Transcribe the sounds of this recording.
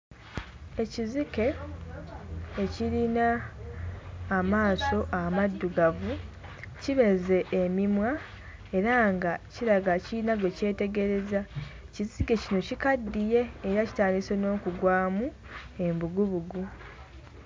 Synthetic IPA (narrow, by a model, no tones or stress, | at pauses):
e̞cizike̞ | ciɾina | maːso̞ʔamadːuɡavu | ciβe̞ze̞ʔːmimwa | e̞ɾaŋɡaciɾaɡaciɾinaɡo̞ce̞ːte̞ɡe̞ɾe̞za | ciziɡe̞cino̞cikadːije̞ːɾaci̥taːndiso̞no̞ːkuɡwaːmu | e̞mbuɡuβuɡu